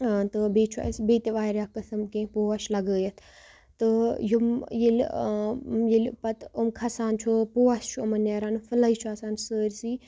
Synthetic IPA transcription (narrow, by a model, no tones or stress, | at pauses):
t̪ɨbeːt͡ʃʰua̰sbeːt̪eʋaːɾʲaːkɐsɐmkẽːpoːaʃlɐɡəːjət̪ʰ | t̪ɨjumjil | jilpɐt̪umkʰɐsaːnt͡ʃʰupoːast͡ʃʰuɐmɐneːɾaːnfɨlɐit͡ʃʰuaːsaːnsəːɾʲsiː